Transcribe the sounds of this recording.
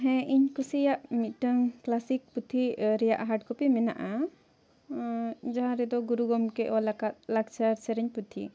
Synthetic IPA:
ɦɛ̃ʔiɲkusijaʔmit̪̚ʈəŋklasik̚put̪ʰiɾɛja̰ʔɦaʈkɔpimɛna̰ʔa | d͡ʒaɦãɾɛd̪ɔɡuɾuɡɔmkɛʔɔlakat̪̚lak̚t͡ʃaɾt͡ʃɛɾɛɲput̪ʰḭ

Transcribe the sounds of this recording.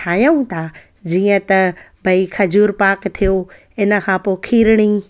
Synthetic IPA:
aːjəũt̪ʰa | d͡ʑiːə̃t̪ɐ | bʱɐikʰɐd͡ʑuːɾpaːkt̪ʰijo | ɪnə̆kʰãːpoːkʰiːɾɽ̃i

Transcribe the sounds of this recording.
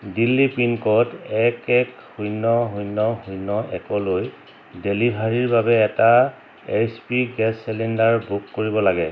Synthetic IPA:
dilːipinkɔtɛkɛk | hujnɔɦujnːɔɦujnɔʔɛkɔloj | delibʱaɹiɹbabɛːta | ejspiɡɛsːɛlɛndaɹbukːoɹibɔlaɡɛ

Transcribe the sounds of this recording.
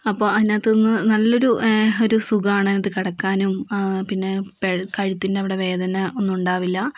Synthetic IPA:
ɐpːo̞ːɐðinaːt̪ːenːɨnɐlːo̞ɾuo̞ɾusuɣɐaːɳɨɐnːɐðɨkɐɽɐkːaːnumpinːe̞pekɐɻit̪ːindeɐʋiɽe̞ʋe̞ːd̪ʱɐnɐo̞nːumuɳɖaːʋilːɐ

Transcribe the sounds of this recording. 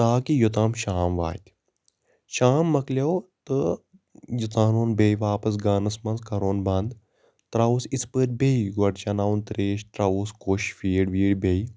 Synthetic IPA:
t̪aːkijut̪aːmʃaːmʋa̰ːt̪ʲ | ʃaːmːɐklʲɐwt̪ɨ | jut̪aːnoːnbejʋaːpɐs̬ɡaːnɐsmɐnzkɐɾoːnbɐnd̪ | t̪ɾausispəɾ̚ʲbʲeiɡɐʈt͡ʃɐnaːwnt̪ɾeːʃʈɾɐuːskoʃfiːɽʋiːɽbei

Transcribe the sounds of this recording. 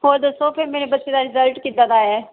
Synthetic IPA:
ɦoːɾd̪osõːpʰɪɾmeːnebətːʃeːd̪aːɾɪzəlʈkit̪aːd̪aːɛː

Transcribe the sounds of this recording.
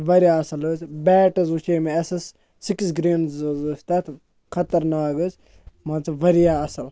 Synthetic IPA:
ʋɐɾʲjaːɐsɐlɨt͡sbɛːʈɐzut͡ʃeːmeɐsɐsː | iksɡɾeːnzzɨst̪ɐt̪ | kʰɐt̪ɐɾnaːkɨt͡s | maːt͡sɨʋɐɾjaːɐsɐl

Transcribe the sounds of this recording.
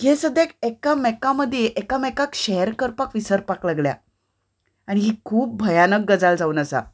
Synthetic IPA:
ɡesəd̪jekekamɛkaməd̪ʱːjeʔekamɛkakɕɛɦəɾkəɾpakʋisəɾpaklaɡlja̰ | aɽ̃iɦikʰuːp̚bʱəjanək̚ɡəd͡zald͡zauːnəsa̰

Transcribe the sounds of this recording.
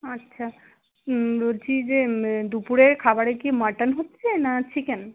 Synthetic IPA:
atːɕʃʰa | ɾod͡ʑid͡ʑed̪upuɾeɾkʰabaɾekimaɾʈanɦotːɕʰenaʈʰiken

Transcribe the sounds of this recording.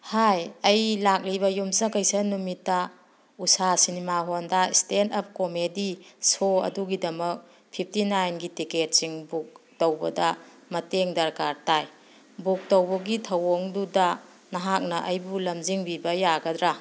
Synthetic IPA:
hajɐjlak̚liβɐjumsɐkɐjsɐnumitːɐ | usasinimaɦondɐistentɐp̚komedisoɐ̰duɡidɐmɐk̚ | pʰip̚ʰtinajnɡitiket̚siŋbuk̚towbɐdɐ | mɐteŋdɐɾkaɾtaj | buk̚towbɐɡitʰɐwoŋdudɐ | nɐɦak̚nɐʔɐjbulɐmziŋbibɐjaɡɐdɾa

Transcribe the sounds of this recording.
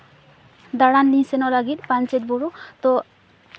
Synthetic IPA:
d̪aɹanlisɛnɔlaɡit̪pant͡ʃet̚bɔɹut̪ɔ

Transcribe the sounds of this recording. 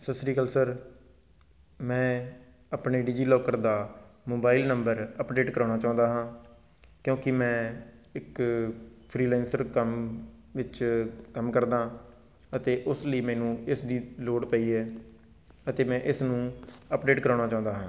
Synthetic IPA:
səsɾiːkəlsəɾ | mɛ̃ː | aːpɳeːɖɪd͡ʒiːloːkəɾd̪aːmoːbaːɪlnəmbəɾəpɖeːʈkəɾaːɽ̃naːt͡ʃãːnd̪aːɦãː | kjõːkɪmɛ̃ːɪk | pʰɾiːlɛːnsəɾkəm | ʋɪt͡ʃkəmkəɾd̪aː | ət̪eːʔʊsləiːmɛːnũːɪsd̪iːloːɽpəiːɛː | ət̪eːmɛ̃ːʔɪsnũːəpɖeːʈkəɾaːɽ̃aːt͡ʃãːnd̪aːɦãː

